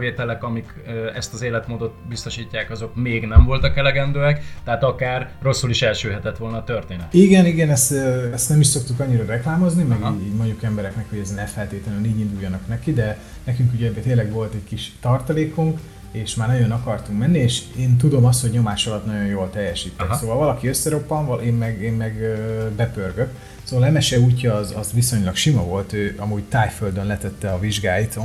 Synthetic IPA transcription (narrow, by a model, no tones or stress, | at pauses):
veːt̪ɛlɛkɒmik | øɛst̪ɒzeːlɛt̪moːd̪o̞t̪bist̪o̞ʃiːcːaːkɒzo̞kmeːɡnɛɱvo̞lt̪ɒkɛlɛɡɛnd̪øːɛkt̪ɛaːt̪ɒkaːrːo̞sːuliʃɛlʃøːɦɛt̪ɛt̪ʋo̞lnɒːt̪ørt̪eːnɛt̪iɡɛniɡɛnɛst̪ɛst̪nɛmiʃso̞kt̪ukɒɲːiɾɒrɛklaːmo̞znimɛɡiːɟiːɟmo̞ɲɟukɛmbɛɾɛknɛkho̞ɟɛznɛfɛlt̪eːt̪lɛnyniːɟind̪ujːɒnɒknɛkid̪ɛ | nɛkyŋkuɟɛɛt̪eːnlɛɡʋo̞lt̪ɛckiʃt̪ɒrt̪ɒleːkuŋk | eːʃmaːrnɒɟo̞nɒkɒrt̪uŋkmɛnːieːʃeːnt̪ud̪o̞mɒst̪hoɟɲo̞maːʃɒlɒt̪nɒɟo̞joːlt̪ɛjːɛʃiːt̪ːɛkssoːvɒlvɒlɒkiø̞sːɛɾo̞pːɒmvɒʔeːmmɛɡemmɛɡøbɛpørɡøk | soːvɒlɛmɛʃɛuːcːɒːzɒzʋiso̞ɲlɒkʃimɒvo̞lt̪øːɒmuːɟt̪aːjføld̪ønlɛt̪ɛt̪ːɛɒviʒɡaːjit̪o